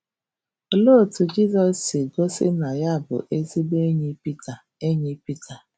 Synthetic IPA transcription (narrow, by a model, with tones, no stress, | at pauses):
o˦lo˦˨tu˨d͡ʒi˦zɔ˨sɪ˨ɡo˦sɪ̰˦na˨ja˦˨bʊ̰˨ʔe˦zi˦be˦ɲe˦pi˦tʰa˨ | e˦ɲe˦pi˦tʰa˨